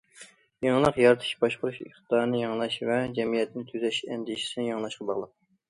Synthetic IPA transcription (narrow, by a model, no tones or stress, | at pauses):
jɑŋlˠəqjɑɾt̪ʰɨ̥ʃbɑʃqʊɾuʃḛχt̪t̪ɑɾɨnɨjɑŋlˠɑʃvɛd͡ʒɛmijɛt̪ʰnɪt̪ʰyzɛʃɛnd̪ɪʃi̥sɪnɪjɑŋlˠɑʃqɑbɑʁlˠəp̚